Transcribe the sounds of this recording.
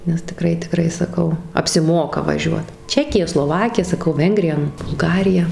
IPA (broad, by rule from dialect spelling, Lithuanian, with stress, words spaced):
nʲɛs tʲɪˈkrɐɪ tʲɪˈkrɐɪ sɐˈkɐʊ ɐpʲsʲɪˈmoːkɐ ʋɐˈʒʲuɔt ˈt͡ʃʲæːkʲɪjɛ slˠoːˈʋɑːkʲɪjɛ sɐˈkɐʊ ˈʋʲɛŋɡrʲɪjɛ nʊ bʊlˠˈɡɑːrʲɪjɛ